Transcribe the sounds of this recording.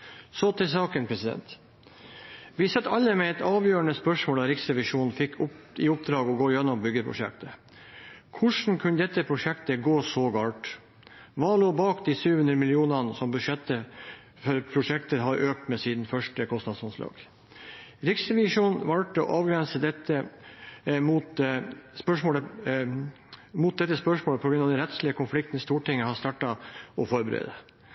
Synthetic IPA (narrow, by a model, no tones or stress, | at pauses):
sɔt̪ʰɪsɑːkənpʰɾɛsɪd̪ɛ̰nt̪ | ʋɪsɛt̪ːɑlːəmɛɛt̪ɑːʋjøːɾəɳəspœʂmoːld̪ɑɾɪksɾɛʋɪʂuːn̩fɪkːʰɪʊp̚d̪ɾɑːɡɔɡoːjɛnːɔmbʏɡːəpʰɾʊ̰ʂɛ̰kt̪ə | kʰʊʂn̩kʰʉnəd̪ɛt̪ːəpʰɾʊʂɛkt̪əɡoːsɔɡɑːʈ | ʋɑːloːbɑːkd̪iːsyːhʉnd̪ɾəmɪlɪuːnɑnəsɔmbʉʂɛt̪ːə | fɔɾpʰɾʊʂɛk̚t̪əɦɑɾʔøːk̚t̪mesiːd̪nfœʂʈəkʰɔst̪nɑd̪sʊnslʔɑ̰ːɡ̥ | ɾɪksɾɛʋɪʂuːnʋɑlʈɔ̰ʔɑːʋɡɾɛnsəd̪ɛt̪ːə | mut̪spœʂmoːlə | mʊt̪̚d̪ɛt̪ːəspœʂmoːləpʰɔɡɾʉnɑʋd̪ɛnɾɛt̪slɪəkʰʊnflɪk̚t̪nst̪uːʈɪŋːəhɑst̪ɑːʈːɑʔɔfɔɾbəɾḛːd̪ə